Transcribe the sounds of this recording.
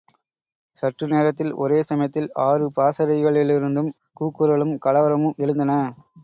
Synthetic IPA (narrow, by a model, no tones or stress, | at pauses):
sɐʈrɯneːɾɐt̪ːɪlɔ̰ɾeːsɐmɐjɐt̪ːɪlaːrɯpaːsɐɾɐɪɣɐɭɪlɪɾɯnd̪ɯm | kuːkːɯɾɐɭɯmkɐɭɐʋɐɾɐmɯmɛɻɯnd̪ɐnɐ